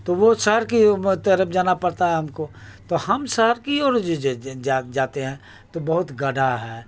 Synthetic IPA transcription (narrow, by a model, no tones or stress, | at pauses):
t̪oʋosəɦəɾkit̪əɾəbd͡ʒaːnapɐɽt̪aɦɛɦɐmkot̪ohɐmsəɦəɾkiɔːɾd͡ʒad͡ʒaːt̪eɦɛ̃ː | t̪obɐɦʊt̪ɡɐɖʱaɦɛː